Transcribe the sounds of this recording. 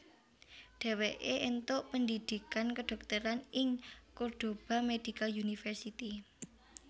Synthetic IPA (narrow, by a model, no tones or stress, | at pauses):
ɖ̥e̤weʔeʔent̪ʊʔpəndid̪̥ikankəɖ̥ɔ̤k̚t̪əɾanɪŋkurd̪̥o̤b̥a̤med̪̥i̤kaunifərsit̪i